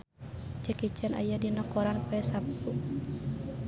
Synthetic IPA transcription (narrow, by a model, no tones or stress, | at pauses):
t͡ʃəkit͡ʃɛna̰jadinɔkɔɾanpɛsapu